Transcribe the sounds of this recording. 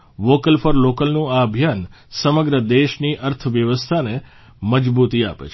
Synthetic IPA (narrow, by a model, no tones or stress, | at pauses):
ʋokəlfəɾlokəlnũaəbʱjansəməɡɾəd̪eʃniʔəɾt̪ʰəʋjəʋəst̪ʰane | məd͡ʒbut̪ia̰pḛt͡ʃʰ